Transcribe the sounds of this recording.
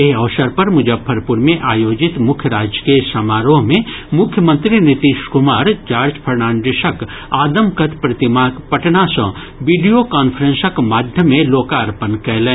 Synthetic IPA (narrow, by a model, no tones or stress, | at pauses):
eɦɐʋsəɾpɐɾmʊd͡ʒəbʰːəɾpʊɾmẽʔaːjoːd͡ʒɪt̪mʊkʰjəɾaːd͡ʒəkesɐmaːɾõɦmẽmʊkʰjəmə̃nt̪ɾinɪt̪iːʃkʊmaːɾd͡ʒaːɾd͡ʒpʰɐɾnaːnɖ̪ɪʃək | aːd̪əmkɐt̪pɾɐt̪ɪmapɐʈnasɐ̃ | ʋiːɖijokaːnfʰəɾə̃nsəkmaːd̪ʱjəmẽloːkaːɾpənkɛɦlẽː